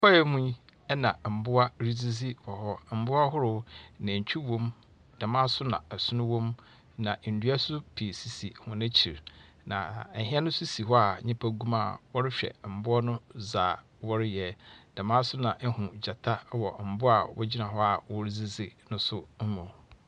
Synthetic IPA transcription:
pɔ˦jɛ˦mũ˦ | ɛ˦nã˨m̩˨bʊ˦a˦ɾi˦zi˦zi˦wɔ˨hɔ˦m̩˨˦bʊ˦a˦ɦʊ˦ɾʊ˨nã˨ɲ˨t͡ɕʰᶣi˦wɔ̃˦m | d̥a˨mãː˦sʊ˦nã̰˨ɛ˨sʊ˦nʊ̃˦wɔ̃˦m | nã˨n̩˨dɥa˦sʊ˦pʰi˨si˨si˨hʊ̃˨nɪ̃˦t͡ɕʰi˨ɾ | nã̰˨ɦi˦ɛ˦nʊ̃˦sʊ˦si˨ɦɔ˦a˨ɲɪ̃˦pʰa˦ɡũ˦ma˦˨wɔ˦ɾɪ˦ɕᶣɛ̰˨m̩˨bʊ˦ɔ˦nʊ̃˦zaː˨ | wɔ˦ɾɪ˦jɛ˨d̥a˨mã˦sʊ˦nã˨ʔɛ˦hʊ̃˨d͡ʑa˨tʰa˦wɔ˨m̩˨bʊ˦a̰˨wɔ̰˦d͡ʑi˦nã˨ɦɔ˦a˨wɔ˦ɾi˦zi˦zi˦nʊ̃˦sʊ˦m̩˦mũ˨

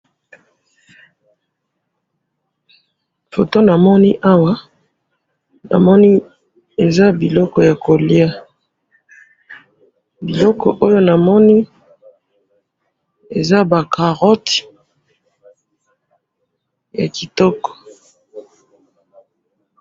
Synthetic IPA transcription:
fo˨to˦na˨mɔ˦ni˦ʔa˦wa˦ | na̰˨mɔ˦ni˦ | e˨za˦bi˨lɔ˦kɔ˨ja˨ko˨li˦a˦ | bi˨lɔ˦kɔ̰˨ʔo˦jo˦na˨mɔ˦ni˦ | e˨za˦ba˨kʰa˨ʁɔ˦t | ja̰˨ki˨tɔ˦kɔ̥˨

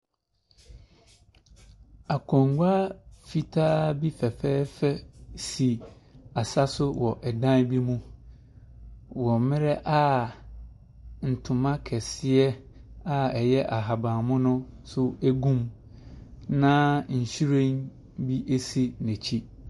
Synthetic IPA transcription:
a˨kʰɔ̃˨ŋɡʷaː˦fi˨tʰaː˦bi˦fɛ˨fɛː˦fɛ˦si˨a˨sa˦sʊ˦wɔ˨ʔɛ˨dã˦nbi˦mũ˦ | wɔ̃˨mɪ̃˦ɾɛ˦ʔa˦ | n̩˨tʰʊ̃˨mã˦kʰɛ˨sɪ˦ɛ˦ | a˦ɛ˨jɛ˦ʔa˨ɦa˨bã˨mʊ̃˦nʊ̃˦sʊ˦æ˦ɡũ˦m | nã˦ɲ̩˨ɕi˦ɾẽ˦n | bi˦ʔe˦si˦nɛ̃˨t͡ɕʰi˦

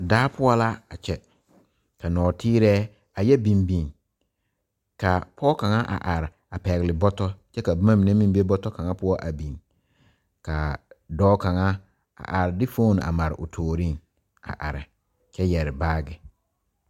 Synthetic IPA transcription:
daː˦pʰʊ˦ɔ˦la˦a˨t͡ʃɛ˦ | ka˨nɔː˨tʰiː˦ɾɛː˦ | a˨jɛ˦bi˨mbi˨ŋ | ka˨pʰɔː˦ka˨ŋa˦ʔa̰˨ʔa˨ɾɪ˨ | a˨pɛ˨ɣɪ˨lɪ˨bɔ˦tɔ˦t͡ʃɛ˦ka˨bma˦mi˨ne˦mĩ˦m˦be˦bɔ˦tɔ˦ka˨ŋa˦pʊ˦ɔ˦ʔa˨bĩ˨n | ka˨dɔː˦ka˨ŋa˦ | a̰˨ʔa˨ɾɪ˨dɪ˦fo˦˨n˨a̰˨ma˨ɾɪ̰˨ʔʊ˨tʰoː˨ɾi˦˨ŋ | a̰˨ʔa̰˨ɾɪ˨ | t͡ʃɛ˦jɛ˨ɾɪ˨baː˦ɡɪ˨

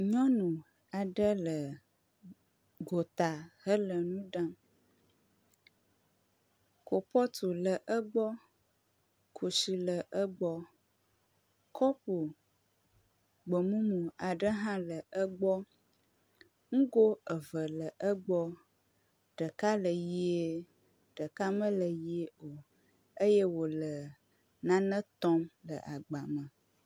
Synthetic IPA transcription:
ɲɔ̃˦nũ˨ | a˨ɖə˦lə˨ | ɡo˨t̪a˨ɦə˦lə˨nũ˦ɖã˦ | ko˨pɔ˦t̪u˨lə˨ʔə˦ɡ͡bɔ˦ | kʰo˨si˨lə˨ʔə˦ɡ͡bɔ˦ | kɔ˦po˨ | ɡ͡bə˨mũ˦mũ˨a˨ɖə˦ɦã˦lə˨ʔə˦ɡ͡bɔ˦ | ŋ̩˦ɡo˦ə˨və˨lə˨ʔə˦ɡ͡bɔ˦ | ɖə˨ka˦lə˨ji˦e˦ | ɖ̥ə˨ka˦mə̃˦lə˨ji˦e˦o˨ | ə˦je˦wo˨lə˨ | nã˦nə̃˦t̪ɔ˦mlə˨ʔa˨ɡ͡ba˨mə̃˨

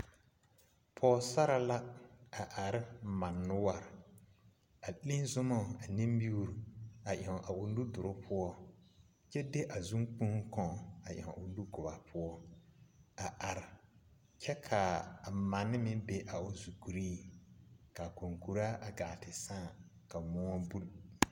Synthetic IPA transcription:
pʰɔː˨˦sa˦ɾa˨la˦a˨ʔa˨ɾɪ˦ma˨nːʊ˦wa˨ɾ | a˨lĩ˦zʊ˦mɔ˦˨a˨ni˦mbi˦u˦˨ɾu˨a˨ʔɛ˨ŋ˨ʔa˨ʊ˨lu˦dʊ˨ɾʊ˦pʰʊ˦ɔ˦ | t͡ʃɛ˦de˦ʔa˨zu˦ŋk͡pũ˦ŋ˦kɔ̃˨a˨ʔɛ˨ŋ˨ʊ˨nu˦ɡʊ˨ba˨pʰʊ˦ɔ˦ | a˨ʔa˨ɾɪ˨ | t͡ʃɛ˦kʰa˨ma˨nːɪ˦mɪ̃˦be˦ʔa˨ʊ˨zu˨ku˨ɾiː˦ | ka˨ko˨ŋku˨ɾa˦ʔa˨ɡa˨tɪ˨sãː˦˨ | ka˨mɔ˦ŋɔ˦bu˦l

